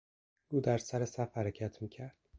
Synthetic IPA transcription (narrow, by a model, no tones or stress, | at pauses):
uːd̪æɾsæɾesæfhæɾecʰæt̪ʰmiːcʰæɾd̪̥̚